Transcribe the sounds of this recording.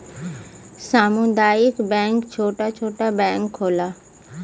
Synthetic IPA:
saːmũnd̪aːɪkbɛ̃ːŋkt͡ɕʰoːʈat͡ʃʰoːʈabɛ̃ːŋkʰːoːla

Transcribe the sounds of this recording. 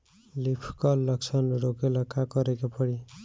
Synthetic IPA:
lipʰkʌlːʌksʰʌnɾokelakakʌɾekapʌɽi

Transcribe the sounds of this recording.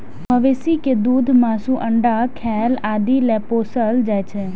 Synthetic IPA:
məʋesiked̪ud̪ʱmasũʔəɳɖakʰɛlad̪ʱilɛposəld͡ʒajt͡ʃʰe

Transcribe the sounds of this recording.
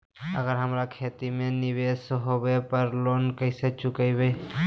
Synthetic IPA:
ə̰ɡəɾɦəmɾakʰeːt̪imẽnɪʋeːsɦowepəɾloːnkəɪset͡ʃʊkəibej

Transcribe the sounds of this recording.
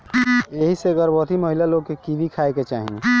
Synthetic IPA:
eɦiseɡəɾbɔɦt̪iməɦilaloɡ̚kekibʱikʰaeket͡ʃaːɦḭ

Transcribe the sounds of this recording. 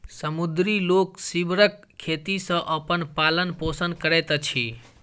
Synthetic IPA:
səmud̪ɾiloksibɾəkʰːet̪isə̃ʔəpənpalənposənkəɾɛt̪t͡ʃʰi

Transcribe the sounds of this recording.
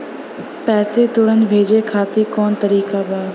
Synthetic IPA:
pɛːset̪ʊɽənɪ̆bʱeːd͡ʑekʰaːt̪ikɔːnt̪ɐɾiːkabaː

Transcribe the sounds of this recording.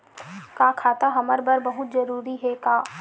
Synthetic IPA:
kaːkʰaːt̪aɦɐməɾbəɾbɐɦʊt̪zɐɾuːɾiɦɛkaː

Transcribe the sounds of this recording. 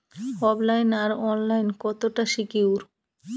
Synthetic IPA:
ɔblajnaɾɔnlajnkɔt̪oʈaʃikiwɾ

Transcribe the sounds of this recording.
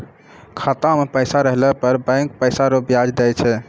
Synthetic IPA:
kʰat̪amepəjsaɾəɦlɛpəɾbə̃ŋk̚pəjsaɾobjad͡ʒd̪ɛt͡ʃʰɛ

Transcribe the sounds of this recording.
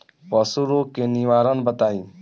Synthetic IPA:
pɔsuɾoːkeniʋaːɾənbət̪aːĩː

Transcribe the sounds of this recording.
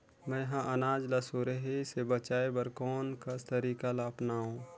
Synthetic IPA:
mɛ̃ɦãʔɐnaːd͡ʒlasoɾəɦisebət͡ʃaːebɐɾkɔːnkast̪əɾiːkalaɐpnaːõː

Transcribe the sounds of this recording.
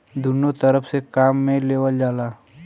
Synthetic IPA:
d̪ʱʊnot̪əɾəpʰsekaːmːẽleːʋəld͡ʒaːlaː

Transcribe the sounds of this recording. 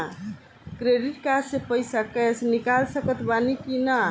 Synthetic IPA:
kɾeɖiʈkad͡ʒsepəjsəkɛt͡ʃʰnikalsəkət̪banikinə

